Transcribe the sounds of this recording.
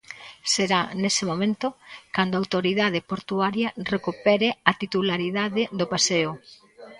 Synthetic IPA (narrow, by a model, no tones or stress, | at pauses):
seɾanesemomẽnt̪ʊkand̪oawt̪oɾiðað̞epoɾt̪uaɾjɐrekupɛɾeat̪it̪ulaɾiðaðɪðopaseʊ